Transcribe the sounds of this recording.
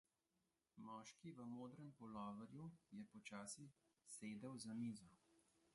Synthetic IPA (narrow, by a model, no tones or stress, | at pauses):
mɔːʃkiʋəmoːd̪ɾɛmpɔlɔːʋəɾjujɛpɔt͡ʃaːsi | seːd̪əwzamiːzɔ